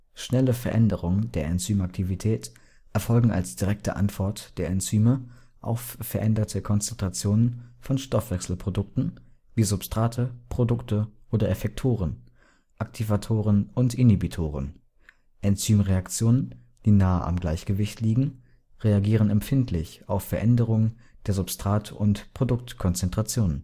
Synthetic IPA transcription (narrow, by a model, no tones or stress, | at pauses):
ʃnɛləfɛɐʔɛndəʁʊŋəndeːɐɛnt͡syːmak̚tʰivitʰɛːt | ʔɛɐfɔlɡŋ̩a̰lsd̥iʁɛk̚tʰə̰ʔa̰ntv̥ɔɐtd̥eːɐɛnt͡syːmə | ʔa̰ʊfːɛɐʔɛndɐtʰəkʰɔnt͡sɛntʁ̥at͡sjoːnənfɔnʃtɔfv̥ɛksl̩pʁ̥odʊk̚tn̩viːzʊpstʁ̥aːtʰəpʁ̥odʊktʰəʔoːdɐʔefɛk̚tʰoːʁən | ʔaktʰivatʰoːʁənʊntʔɪnibitʰoːʁ̞ən | ʔɛnt͡syːmʁeakt͡sjoːnən | d̥iːnaːəʔa̰mɡlaɪçɡ̥əvɪçtʰliːɡŋ̩ | ʁeaɡiːʁ̞ənɛmfɪntʰlɪçaʊfːɛɐʔɛndəʁʊŋən | d̥eːɐzʊpstʁ̥aːtʰʊntpʁ̥odʊk̚tkʰɔnt͡sɛntʁ̥at͡sjoːnən